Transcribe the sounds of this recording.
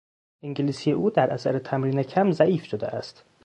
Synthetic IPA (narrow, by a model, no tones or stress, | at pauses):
ʔiŋɟeliːsijeʔuːd̪æɾʔæsæɾet̪ʰæmɾiːnecʰæmzæʔiːfʃod̪ḛʔæst̪